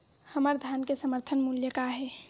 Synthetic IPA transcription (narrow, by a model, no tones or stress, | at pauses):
həməɾd̪ʱjankesəməɾt̪ʰənmuljəkaɦɛ